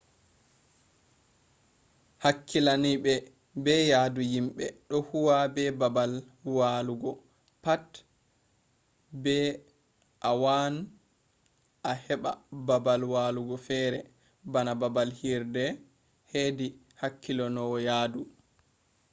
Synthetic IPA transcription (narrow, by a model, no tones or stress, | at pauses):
hakʰːilaniɓɛ | bɛjadujimɓɛ̰ɗɔhuwabɛbabal | waːluɡɔ | pat | bɛ | ʔawan | ʔahɛɓa̰babalwaːluɡɔfɛɾɛ | banababalhiɾdɛ | hedi | hakʰːilɔnɔjaːdu